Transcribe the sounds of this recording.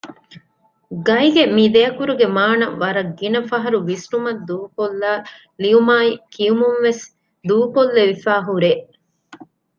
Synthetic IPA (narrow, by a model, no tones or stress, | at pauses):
ɡɐjɡemiːd̪ejɐkuɾuɡemaːnɐʋɐɾɐɡːinɐfɐɦɐɾuʋisʈumɐd̪uːkolːaː | liumaːikijumunʋes | d̪uːkolːeʋifæːɦuɾeːʔ